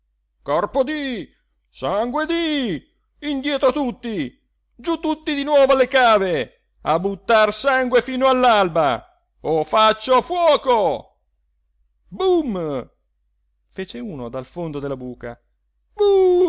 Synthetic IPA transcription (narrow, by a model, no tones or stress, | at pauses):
kɔrpod̪i | saŋɡwed̪iː | nd̪jɛːt̪ɾot̪ut̪ːi | d͡ʒut̪ːut̪ːid̪inwɔːvoalekaːve | a̰bːut̪ːarsaŋɡwefiːnoalːalba | ofat͡ʃːofwɔːko | bum | feːt͡ʃeuːnod̪alfond̪od̪elabuːka̰ | bum